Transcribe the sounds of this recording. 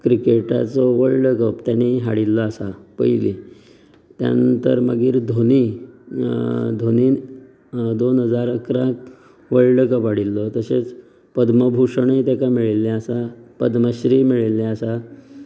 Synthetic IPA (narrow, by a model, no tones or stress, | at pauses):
kɾikeʈa̰t͡sɔʋəɭləkəpt̪janiɦaɽilːɔasapə̰jli | t̪ja̰nənt̪əɾməɡiːɾd̪ʱoni | d̪ʱoniː | d̪onɦəd͡zaɾəkɾãk | ʋəɭləkəpaɽilːɔt̪əset͡s | pəd̪məbʱuʂəɳəit̪jakamiɭileasapəd̪məɕɾimiɭilːeasa